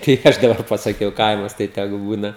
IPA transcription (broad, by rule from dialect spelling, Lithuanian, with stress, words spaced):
tɐɪ ˈɐʃ dɐˈbɐr pɐsɐˈkʲɛʊ ˈkɐɪmɐs tɐɪ tʲɛˈɡʊ ˈbuːnɐ